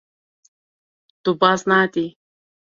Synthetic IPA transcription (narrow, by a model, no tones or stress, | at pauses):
t̪ubasnat̪i